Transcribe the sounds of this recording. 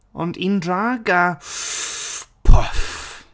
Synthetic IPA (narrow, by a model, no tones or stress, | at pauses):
ʊ̰ndindɾaɡa | pʰɔf